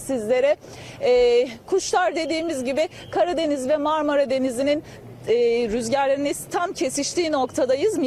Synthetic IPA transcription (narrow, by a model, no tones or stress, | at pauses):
sizlʲe̞ɾɛ | ɛːkʰuʃlˠaɾd̪e̞d̪iːmizɟibɪ | kʰaɾad̪e̞nizvɛmaɾmaɾad̪e̞nizininː | ɾyzɟæɾlʲeɾinɛst̪ʰamcʰe̞siʃt̪ʰiːno̞kt̪ʰad̪ajɯzm